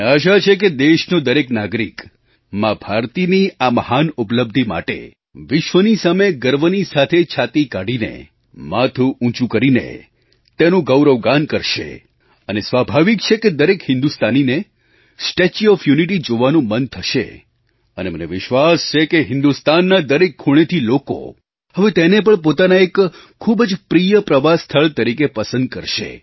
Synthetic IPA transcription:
aʃat͡ʃʰek̬ed̪eʃnod̪əɾeknaɡɾik | mãbʱaɾt̪iniaməhanʊpləb̚d̪ʱima̰ʈḛ | ʋɪʃʋənisameɡəɾʋənisat̪ʰet͡ʃʰat̪ikaɽinḛ | mat̪ʰuʔũt͡ʃũkəɾinḛ | t̪enũɡəwɾəʋɡankəɾʃḛ | ənesʋabʱaʋikt͡ʃʰeked̪əɾekɦɪ̃nd̪ust̪anine | sʈet͡ʃiɔfjuniʈ̬id͡ʒoʋanũmənt̪ʰəʃḛ | əneməneʋɪʃʋast͡ʃʰekeɦɪ̃nd̪ust̪anːad̪əɾekʰːuɭ̃et̪ʰiloko̰ | ɦəʋet̪enep̬əɳpot̪anaekʰː | ubd͡ʒpɾijəpɾəʋast̪ʰəɭt̪əɾikepəsə̃nd̪̚kəɾʃḛ

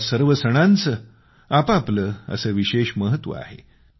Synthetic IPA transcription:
səɾʋəsəɽ̃ant͡sə | apapləə̰səːʋiɕeɕməɦət̪ʋə̰a̰ɦḛ

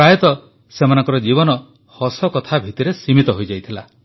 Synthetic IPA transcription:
pajɔt̪ɔ | semanɔŋkɔɾɔd͡ʒiβɔnɔ | hɔsɔkɔt̪ʰabʱit̪iɾesimit̪ɔɦojd͡ʒajt̪ʰila

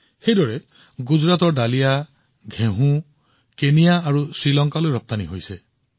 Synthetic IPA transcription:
xejdɔɹɛ | ɡuzɹat̪ɔɹdalija | ɡʱẽɦũ | kenijaːɹusɹilɔŋkalojɹɔp̚t̪aniɦojsɛ

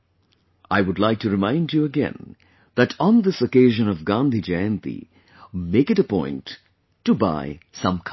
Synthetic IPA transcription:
aɪwʊdˡlaɪk̚tʰɨɾɨmãɪ̃nd͡ʒjuəɡɛ̰̃n | ðætʰn̩ðɪsokeɪʒə̃nʌvɡãnd̪ʱid͡ʒaə̃nt̪ḭ | meɪkɨɾəpɔ̃ɪ̃ntː | ɨba̰ɪsʌ̃mkʰ

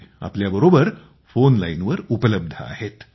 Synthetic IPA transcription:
a̰pljabəɾobəɾ | fonlainʋəɾupələb̚d̪ʱəa̰het̪

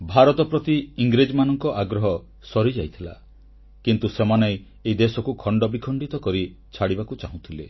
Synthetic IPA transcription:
bʱaɾɔt̪ɔpɾɔt̪iiŋɡɾed͡ʒmanɔŋkɔʔaɡɾɔɦɔ | sɔɾid͡ʒajt̪ʰila̰ | kint̪usemanej | eid̪esɔkukʰɔɳɖɔbikʰɔɳɖit̪ɔkɔɾi | t͡ʃʰaɽibakut͡ʃaɦũt̪ʰile

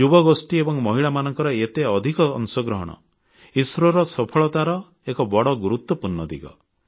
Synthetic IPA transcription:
d͡ʒubɔɡosʈiebɔŋmɔɦiɭamanɔŋkɔɾɔet̪eɔd̪ʱikɔ̰ːŋsɔɡɾɔɦɔɽ̃ɔ̰ | isɾɔɾɔsɔpʰɔɭɔt̪aɾɔ | ekɔbɔɽɔɡuɾut̪wɔpuɾnɔd̪ḭɡɔ̰

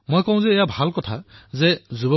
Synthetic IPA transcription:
mojkɔw̃zɛːjabʱalkɔtʰazɛzubɔ

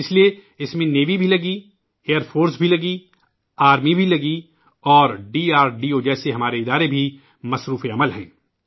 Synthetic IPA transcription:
ɪslie | ɪsmẽneːʋibʱilɐɡi | eːəɾfʰoːɾsbʱilɐɡi | aːɾmibʱilɐɡi | ɔːɾɖiːaːɾɖiːoːd͡ʒɛːseɦɐmaːɾeɪd̪aːɾebʱi | mɐsɾuːfeɐməlɦɛ̰̃ː

